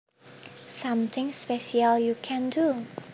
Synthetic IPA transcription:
sʌ̃mθɪ̃ŋspɛʃialjukʰɛ̃ndu

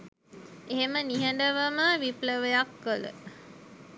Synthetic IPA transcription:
eɦeməniɦəɳɖəʋəməʋipləʋəjakːələ̰

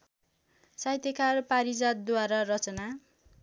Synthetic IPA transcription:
sajt̪ʌkarpaɾid͡zad̪̚d̪waɾarʌt͡sʌna

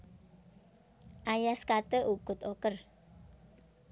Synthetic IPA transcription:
ʔajaskat̪əʔuɡ̥ʊt̪okər

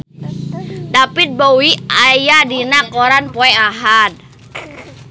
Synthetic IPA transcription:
dapit̪̚bowiajadinakɔɾanpɔɛaɦad̪̚

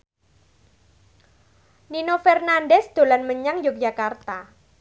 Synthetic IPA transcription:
ninofɛrnanɖɛsd̪̥o̤lanməɲaŋjok̚d͡ʒakart̪a

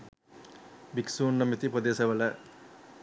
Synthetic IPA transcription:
biksuːnːomit̪ipod̪eːsɐʋɐlə

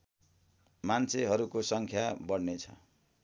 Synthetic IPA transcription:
mant͡sʰeɦʌɾukosʌŋkʰjabʌɽnet͡sʰʌ̰

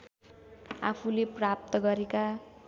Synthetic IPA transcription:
a̰pʰuleprap̚t̪ʌɡʌɾeka

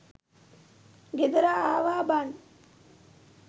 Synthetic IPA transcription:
ɡed̪ɐɾaːaːʋaːban

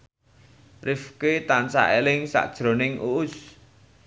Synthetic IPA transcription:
rʔɪfket̪ansa̰ʔelɪŋsa̰ʔd̥ʒ̥ɾo̤nɪŋʔṵʔʊs

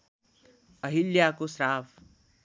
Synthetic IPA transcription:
ɐɦiljaːkosɾaːʋ

